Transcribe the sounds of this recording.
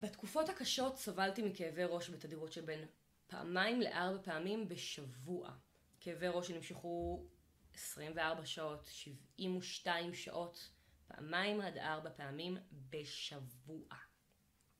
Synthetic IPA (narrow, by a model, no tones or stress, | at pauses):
betkufo̞thakaʃo̞tsavaltimikeːveʁo̞ʃbetadiʁotʃebe̞n | paa̰maimle̞̰ʔaʁbapeamimbe̞ʃavuʔa̰ | keːveʁo̞ʃenimʃeχu | esʁimveaʁbaʃao̞tʃivimuʃtaimʃa̰ʔo̞tpa̰ʔa̰maimadaʁbapeamimbeʃavuʔa